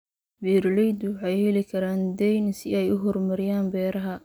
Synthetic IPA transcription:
biːrlɛjd̪wʊħɑjhɛlɪkʰɐɾaːnd̪ɛjnsɪɛjʊɦɔrmɐɾɪjaːnbɛːɾɐɦɐ

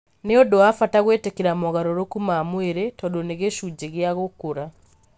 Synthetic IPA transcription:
neodoafataɣweːtekeɾamɔɣaɾoɾokumaːmweɾetɔdoneɣeʃud͡ʑeɣeaɣokoɾa

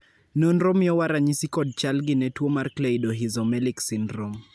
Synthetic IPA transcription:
nonɾɔmiɔwaɾaɲisikɔd̚t͡ʃalɡɪnɛtwomarkleidoɦizɔmɛliksindɾom

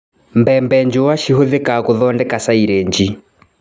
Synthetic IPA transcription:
mbɛmbɛɲd͡ʒʊwaʃiɦoðɛkakuðɔndɛkasaiɾeɲd͡ʒi

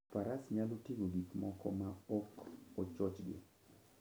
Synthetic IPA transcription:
paɾasɲalotiɡoɡitmɔkɔmaɔkot͡ʃɔt͡ʃɡɪ̰

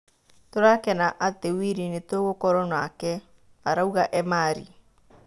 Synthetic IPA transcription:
toɾakɛnaʔatewiɾinetoɣokɔɾɔnwakɛ | aɾauɣaʔɛmaɾḭ

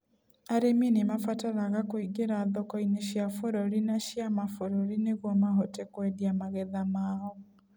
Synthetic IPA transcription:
aɾeminimafataɾaɣakoiɡeɾaːðɔkɔineɕjafoɾɔɾinaɕjamafoɾɔɾineɣwɔmaɦɔtɛkwɛdiamaɣɛðamaɔ

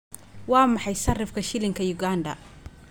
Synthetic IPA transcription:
wɑːmɑħɑjsɐrɪfkʰɐʃɪlɪŋkʰɐjʊɡaːndɐ̰

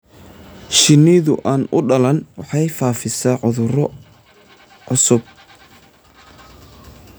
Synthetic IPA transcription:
ʃɪniðʊʔaːnʊɖɐlɐnwɑħɑjfaːfɪsɐːʕʊðʊɾ | ʕʊsʊb̚

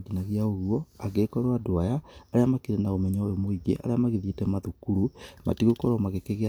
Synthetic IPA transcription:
ɡinaɣeaoɣuɔaɡekɔɾoadoajaːɾeamakeɾenaomɛɲaojomoiɡḛʔa̰ɾeamaɣeðietɛmaðukuɾuma̰tiɣokɔɾɔmaɣekeɣea

